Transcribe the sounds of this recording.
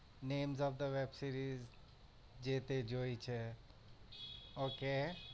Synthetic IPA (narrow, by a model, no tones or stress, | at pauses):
nẽːmzɔʋd̪əʋebsiːɾiz | d͡ʒet̪ed͡ʒoːit͡ʃʰe | oːke